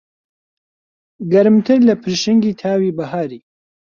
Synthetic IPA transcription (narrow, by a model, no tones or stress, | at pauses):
ɡɐɾɨmt̪ʰɨɾlɐpʰɨɾʃɪŋɡiːt̪ʰaːwiːbɐɦaːɾiː